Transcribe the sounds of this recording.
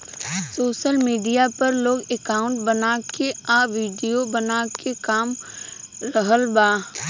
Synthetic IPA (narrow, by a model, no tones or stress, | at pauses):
soːʃəlmiːɖijapɐɾloːɡekaːʊ̃ɳʈbənakeaːʋiːɖijobənaːkekaːm | ɾəɦəlbaː